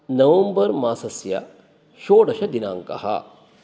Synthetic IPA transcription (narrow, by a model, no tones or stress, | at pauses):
nɐʋɐmbɐɾmaːsɐsja̰ | ʃoːɽɐʃɐd̪ɪnãːŋkɐ̰ha̰ː